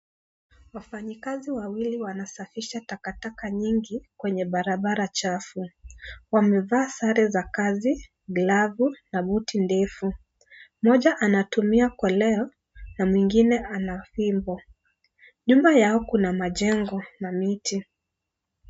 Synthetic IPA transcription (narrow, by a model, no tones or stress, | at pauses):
wafaɲikaziwawiliwanasafiʃatakatakaɲiŋɡikwɛɲɛɓaɾaɓaɾat͡ʃafuwamɛvaːsaɾɛzakazi | ɡlavunaɓutindɛfu | mɔʄaʔanatumiakɔlɛɔ | namwiŋɡinɛʔanafimbɔ | ɲumajaɔkunamaʄɛŋɡɔnamiti